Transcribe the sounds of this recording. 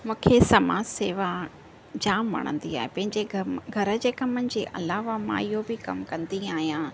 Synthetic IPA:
mũːkʰesɐmaːd͡ʑseːʋa | d͡ʑaːmʋɐ̰ɽ̃ə̰̃nd̪iaːɦepɐ̃ɦɪ̃ɲd͡ʑeɡʱɐɾə̆d͡ʑeːkɐmənɪ̆d͡ʑḛːʔɐ̰laːʋamã̰ːijobɪkɐ̰mkɐ̃nd̪iaːɦijãː

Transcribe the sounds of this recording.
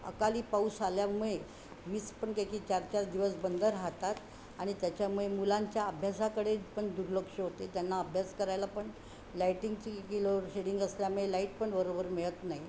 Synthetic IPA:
ə̰kaliːpausaljamuɭe | ʋiːspəɳkakit͡ɕaɾt͡ɕaɾd̪iʋəsbənd̪əɾɦat̪at̪ | aɽ̃it̪jat͡ɕjamuɭemulaɲt͡ɕjaəbʱjasakəɽepəɳd̪uɾləkʂəɦot̪et̪janːaəbʱjaskəɾajlapəɳ | lajʈiŋɡt͡ɕikiloɕeɽiŋɡəsljamuɭelaiʈpəɳbəɾobəɾmeɭət̪naɦi

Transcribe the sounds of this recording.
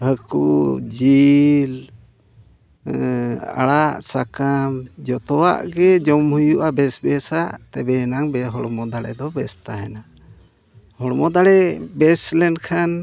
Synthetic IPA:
həkud͡ʒil | a̰ɽaʔsakamd͡ʒɔt̪ɔwa̰ʔɡɛd͡ʒɔmhujuʔabɛsbɛsat̪ɛbɛnaŋbɛɦɔɽmɔd̪aɽɛd̪ɔbɛst̪aɦɛna | hɔɽmɔd̪aɽɛbɛslɛnkʰan

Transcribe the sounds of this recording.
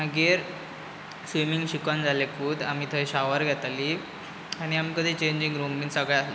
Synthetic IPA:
m̤əɡeɾ | sʋimiŋɡɕikʋand͡zalekuːd̪am̤iːt̪ʰəiɕaʋəɾɡʱjat̪aliː | aɽ̃iamikəd̪ʱit͡ɕeɲd͡ʑiŋɡɾumbinsəɡɭɛasli

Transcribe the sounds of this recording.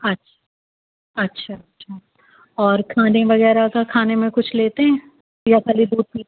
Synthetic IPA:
ɐtːʃʰḁ | ɐtːʃʰaɐtːʃʰaː | ɔːɾkʰaːneʋɐɣɛːɾakakʰaːnemẽkʊt͡ʃʰleːt̪eɦɛ̃ː | jakʰaːlid̪uːd̪̚piː

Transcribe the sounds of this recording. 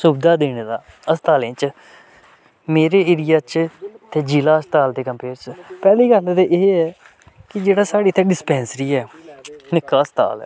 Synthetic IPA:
sʊbd̪aːd̪eːnːd̪aː | əst̪aːlẽːt͡ʃ | meːɾeːɪɾɪjaːt͡ʃt̪eːd͡ʒiːlaːəst̪aːld̪eːkəmpeːɾt͡ʃpɛːliːɡəlt̪eʔeːɛː | kɪd͡ʒeːɽaːsaːɽiːt̪ʰɛːɖɪspɛ̃ːnsɾiːɛːnɪkːaːəst̪a̰ːlɛ̰ː

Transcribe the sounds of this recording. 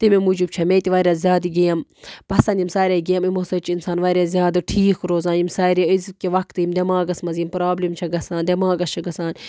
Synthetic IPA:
t̪imemud͡ʒib̚t͡ʃʰɐmeːt̪iʋaːɾʲjaːzʲjaːd̪iɡijɐmpɐsɐnd̪ʲimsaːɾʲaːɡijɐmimosɐt͡ʃʰiinsaːnʋaːɾʲaːzʲjaːd̪ɐʈʰiːkɾoːzãːnjimsaːɾeizkiʋɐkt̪ɨjimd̪ʲemãːɡɐsmɐzimpɾaːblimt͡ʃʰɐɡɐsãːnd̪ʲemaːɡɐst͡ʃʰɐɡɐsaːn

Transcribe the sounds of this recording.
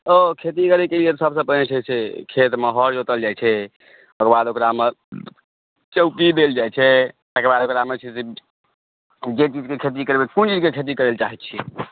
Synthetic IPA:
okʰet̪̬ikəɾekeliet̪ɔsəbsə̃pəet͡ʃʰɛsekʰet̪meɦɔɾd͡ʒot̪əld͡ʒajt͡ʃʰɛ | bəkbad̪okɾame | t͡ʃəʊpid̪eld͡ʒat͡ʃʰɛt̪əkebad̪okɾamet͡ʃʰise | d͡ʒet͡ʃid͡ʒkekʰet̪̬ikəɾbekunt͡ʃid͡ʒkekʰet̪̬ikəɾelt͡ʃaɦɛt̪̚t͡ʃʰi

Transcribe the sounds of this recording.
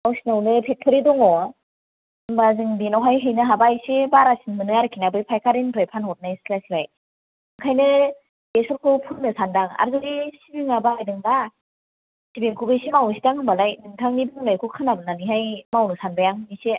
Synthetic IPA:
awsinawnɯpʰepʰɯɾidɔŋɔ | ɯmbazɯŋbinawɦajɦɯjnɯɦabajsebaɾasinmɯnɯaɾɯkʰinabɯjpʰajkʰaɾinpʰɾajpʰanhɔt̚najslaslaj | mɯkʰajnɯ | esɔlkʰupʰunnɯsandaŋa̰ɾzɯɡisibiŋabaːjdɯŋda | sibeŋkʰubɯjsimawsidaŋɯmbalajnɯŋtʰaŋnibɯŋɯlajkʰukʰanabɯnaniɦajmawnɯsanbajaŋɯnise

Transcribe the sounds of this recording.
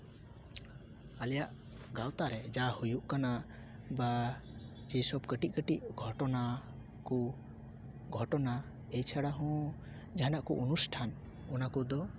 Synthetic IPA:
alɛjaʔ | ɡawt̪aɾɛd͡ʒahujuʔkana | ba | d͡ʒɛsɔbkəʈiʔ̚kəʈiʔɡʱɔʈɔna | kɔ | ɡʱɔʈɔna | ejt͡ʃʰaɽaɦɔ̃ | d͡ʒaɦanaʔkɔʔunusʈʰan | ɔnakɔd̪ɔ

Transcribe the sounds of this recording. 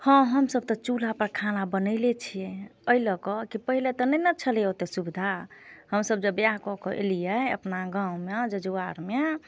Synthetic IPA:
hɔ̃ɦəmsəb̚t̪ɔt͡ʃulapəɾkʰanabənəɪlet͡ʃʰijeəiləkɔkipəɦilet̪ɔnənət͡ʃʰəleot̪esubid̪ʱahəmsəbd͡ʒəbeakɔkɔʔḛlijɛə̰pnaɡãũmed͡ʒəd͡ʒuaɾme

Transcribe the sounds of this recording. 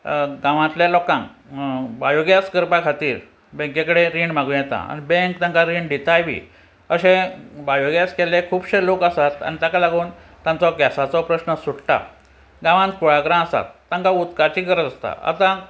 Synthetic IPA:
ɡãʋãt̪ljalɔkãŋ | bajoɡjaskəɾpakʰat̪iːɾ | bẽŋkẽkəɽeɾiɳmaɡũjɛt̪a̰a̰nibẽŋkt̪ãŋkaɾiɳɖit̪ajʋḭː | əɕẽbajoɡjaskɛlekʰuːbɕelokəsat̪a̰nit̪akalaɡuːnt̪jãnt͡sɔɡɛsat͡sɔpɾəɕnəsuɽʈa̰ | ɡãʋãnt̪̚kʰoɭaɡɾãəsa̰t̪ːãŋkaut̪kat͡ɕikəɾət͡s̪əst̪a̰a̰t̪ã

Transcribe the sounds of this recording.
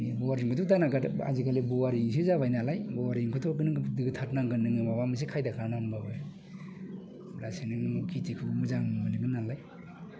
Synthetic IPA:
bɔwaɾiŋkʰɔtʰutanaɡaa̰zikalebɔwaɾiŋs̬izaβajnalajbɔwaɾiŋkʰɔtʰɔɡɯnɯdɯɡɯtʰatnaŋɡɯnɯŋɯmabamɯs̬ikʰajdakʰanambaba | ɾasenɯŋmkʰitikʰuɡmuzaŋmanɯɡɯnalaj

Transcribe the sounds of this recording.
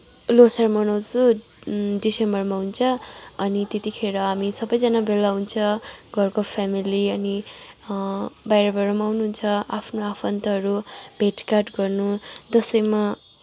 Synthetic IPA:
losʌrmʌnʌwd͡zu | ɖisembʌrmaɦunt͡sʰʌʌnit̪et̪ikʰeɾʌɦamisʌbʌjd͡zʌnabelaɦunt͡sʰʌɡʱʌrkopʰamiliʌni | bajɾʌbʌɾʌmawnuɦunt͡sʰʌapʰnoapʰʌnt̪ʌɦʌɾub̥ʱeʈkarʈɡʌrnud͡zʌsʌjma

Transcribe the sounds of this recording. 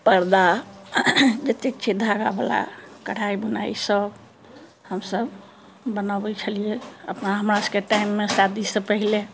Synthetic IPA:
pəɾd̪a | d͡ʒət̪ek̚t͡ʃʰid̪ʱaɡabəla̰kəɽ̤aibəna̰isəb | həmsəb | bənabət͡ʃʰəlijeəpnaɦəmɾaskeʈaimːesad̪isəpəɦile

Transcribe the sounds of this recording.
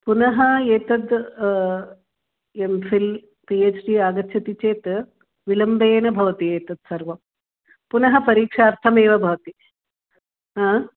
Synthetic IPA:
punɐɦɐeːt̪ɐd̪ | emfil | pieːt͡ʃɖiaːɡɐt̪ʃʰɐt̪it͡ʃeːt̪ | ʋilɐmbeːnɐbʱɐʋɐt̪ieːt̪ɐd̪̚sɐɾʋɐm | punɐɦɐpɐɾiːkʂaːɾt̪ʰɐmeːʋɐbʱɐʋɐt̪i | ɦaː

